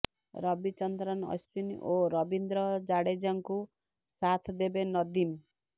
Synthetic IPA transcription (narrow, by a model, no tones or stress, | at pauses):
ɾʌbit͡ʃʌnt̪ɾʌnʌ̰st͡ʃunoɾʌbind̪ɾʌd͡ʒaɽed͡ʒaŋku | sat̪ʰd̪ebenʌd̪im